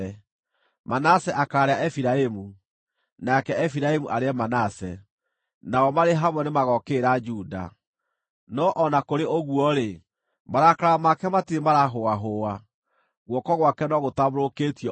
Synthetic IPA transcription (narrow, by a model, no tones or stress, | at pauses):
ɛ | manasɛʔakaːɾeaʔɛfiɾaemu | nakɛɛfiɾaemuʔaɾeɛmanasɛ | naɔmaɾeɦamwɛnemaɣɔkeɾad͡ʒuda̰ | nɔʔɔnakoɾeʔoɣwɔɾe | maɾakaɾamakɛmatiemaɾaɦoaɦoa | ɣwɔkɔɣwakɛnɔɣotaβoɾokeːtijɔ